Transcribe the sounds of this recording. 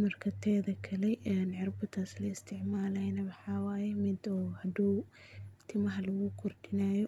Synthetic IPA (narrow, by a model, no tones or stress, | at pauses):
mɐrkʰɐt̪ʰɛːðɐkʰɐlɛɛnʕɪrbʊt̪ʰaslɐɪst̪ʰɪʕmaːlɐjnɐwɑħɑwaːjɛmɪd̪ɔhɐd̪uː | t̪ʰɪmɐɦɐlɐɣʊkʰʊrd̪ɪnaːjɔ